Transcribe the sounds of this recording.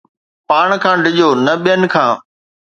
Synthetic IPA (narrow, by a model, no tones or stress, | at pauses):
paːɳ̃kʰãːɖʱɪʄoːnɐɓijənɪ̆kʰãː